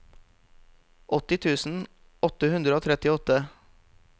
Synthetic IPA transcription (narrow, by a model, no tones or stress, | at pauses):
ʔɔt̪ɪt̪ʰʉːsn̩ | ɔt̪əhʉnd̪ɾəoːt̪ʰɾɛt̪ɪɔt̪ə